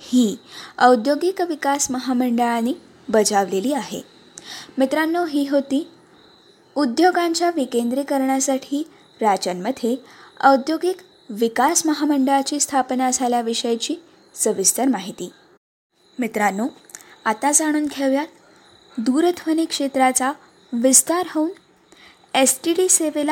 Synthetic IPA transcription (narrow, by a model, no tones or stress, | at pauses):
hiːəwd̪joɡikʋikasməɦaməɳɖəɭaniː | bəd͡zʱaʋleliːaɦḛ | mit̪ɾanːoɦiːɦot̪iː | ud̪joɡaɲt͡ɕjaʋikend̪ɾiːkəɾɳjasaʈʰiː | ɾat͡ɕənməd̪ʱjeəwd̪joɡik | ʋikasməɦaməɳɖəɭat͡ɕiːst̪ʰapnad͡zʱaljaʋiʂəjt͡ɕiː | səʋist̪əɾmaɦit̪iː | mit̪ɾanːoat̪ad͡zaɽ̃uːnkʰeʋjat̪ | d̪uɾət̪ʰʋənikʂet̪ɾat͡sa | ʋist̪aɾɦəun | esʈiɖiseʋel